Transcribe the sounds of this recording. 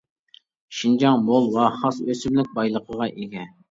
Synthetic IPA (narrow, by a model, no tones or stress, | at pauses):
ʃind͡ʒɑŋbolˠwɑhɑsøsymlɪk̚ʲbɑjlˠəqʰəʁɑʔeɡʲɛ